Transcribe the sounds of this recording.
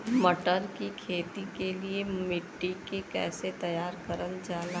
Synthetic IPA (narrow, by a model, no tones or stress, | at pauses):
mɐʈəɾkikʰeːt̪ikeliemɪʈːikekɛ̰ːset̪ɐjaːɾkəɾənd͡ʒaːla